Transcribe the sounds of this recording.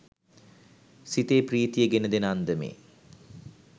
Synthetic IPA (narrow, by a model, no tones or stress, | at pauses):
sit̪eːpriːt̪ijəɡenəd̪enand̪əmḛ